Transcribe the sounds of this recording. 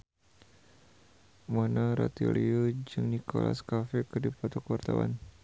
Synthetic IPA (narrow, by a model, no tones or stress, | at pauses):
manaɾa̰t̪iliod͡ʒɨŋnikola̰skafɛkədipat̪ɔkəwart̪awa̰n